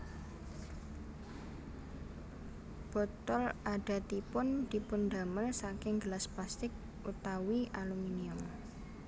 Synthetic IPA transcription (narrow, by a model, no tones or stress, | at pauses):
b̥ɔ̤t̪ɔlʔaɖ̥a̤t̪ipʊnd̪̥i̤pʊnd̪a̤məlsakɪŋɡəlasplast̪ɪk̚ | ʔut̪awiʔaluminiʊm